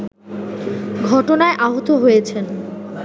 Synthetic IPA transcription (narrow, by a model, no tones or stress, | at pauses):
ɡʱɔʈonaeʔaɦot̪oɦojet͡ɕʰen